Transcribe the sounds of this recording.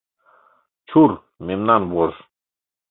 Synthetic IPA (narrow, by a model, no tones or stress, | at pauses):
t͡ʃʰuɾ | memnanbɔɾ